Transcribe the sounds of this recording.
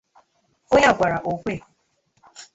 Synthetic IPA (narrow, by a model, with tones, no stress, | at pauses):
o˦ɲa˦ɡʷa˨ɾa˨ʔo˨kʷe˦˨